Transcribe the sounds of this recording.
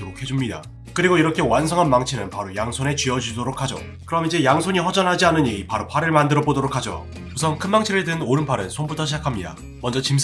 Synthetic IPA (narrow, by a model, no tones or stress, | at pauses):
ɡokʰe̞d͡ʑumɲida̰ | kɯɾiɡoiɾʌkʰe̞wansʰʌŋɦanmaŋt͡ɕʰinɯnpaɾojaŋsʰone̞t͡ɕɥiʌd͡ʑudoɾok̚ʰad͡ʑo̰ | kɯɾʌmid͡ʑe̞jaŋsʰoɲiɸʌd͡ʑʌnɦad͡ʑianɯniɡipaɾopʰaɾɯɭmandɯɾʌbodoɾokʰad͡ʑo̰ | usʰʌŋkʰɯnmaŋt͡ɕʰiɾɯɭdɯnoɾɯnpʰaɾɯnsʰonbutʰʌɕʰid͡ʑakʰamɲida̰ | mʌnd͡ʑʌt͡ɕim